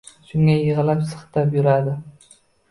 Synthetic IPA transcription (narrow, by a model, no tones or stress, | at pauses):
ʃʊŋajɪʁɨlapsɨ̥χt̪ʰapjʊɾad̪ɪ